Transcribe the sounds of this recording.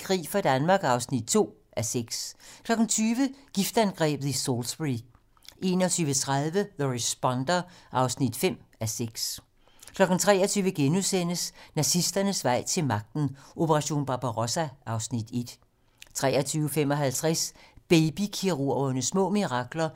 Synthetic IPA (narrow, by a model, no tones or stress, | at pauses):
kʰʁḭːfɑ̈d̥ænmɑ̈ːɡ̥sɑ̈ʊsnid̥̚t͡sʰo̝̰ː | ʔæseɡ̥skʰlɒ̽ɡ̥n̩t͡sʰyːʋəɡ̥ifd̥ænɡ̥ʁɛ̰ːb̥ð̞̩ˠisolsb̥ʁi | ʔe̝ːnɒt͡sʰyːʋət͡sʰʁɑðˠʋəðəʁisb̥ɒnd̥ɐʔɑ̈ʊsnid̥fem̰æseɡ̥s | kʰlɒ̽ɡ̥n̩t͡sʰʁɛ̰ːɐt͡sʰyːʋəɡ̥enuðˠsen̰əsnæsisd̥ɐnəsʋɑ̈ɪ̰t͡sʰe̝lmɑ̈ɡ̥̚d̥n̩ʔo̝pʰəʁɑ̈ɕo̝̰ːnb̥ɑ̈b̥ɑʁosæʔɑ̈ʊsnid̥e̝d̥ | t͡sʰʁɛːɐt͡sʰyːʊəfem̰ɒ̽ɦælt͡sʰʁɛsb̥eɪb̥ikʰiʁo̝ɐɐnəsmɔ̰̽ːmiʁɑ̈ɡ̥lɐ